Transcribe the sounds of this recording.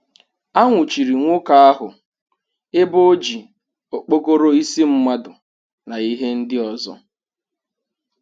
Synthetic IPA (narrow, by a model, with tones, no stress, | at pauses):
a˦ŋʷʊ˨t͡ʃi˨ɾi˨ŋʷo˦ka˨a˦ɦʊ˨ | e˦bo˦o˦d͡ʒi˨ | o˨k͡po˦ko˦ɾo˦i˦si˦m̩˦ma˦dʊ˨ | na˨i˦ɦe˦n̩˦dɪ˦ɔ˨zɔ̰˦